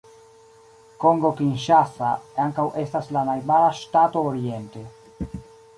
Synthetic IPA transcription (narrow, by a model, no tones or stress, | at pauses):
koŋɡokinʃasa̰eaŋkawʔest̪aslanajbaɾaʃt̪at̪oːɾjent̪e